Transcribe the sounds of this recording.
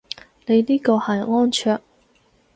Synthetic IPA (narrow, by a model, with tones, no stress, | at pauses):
ne˨˧jniː˥ko˨˧hɐ˨˩ŋɔː˥nt͡ʃʰœː˥˧k̚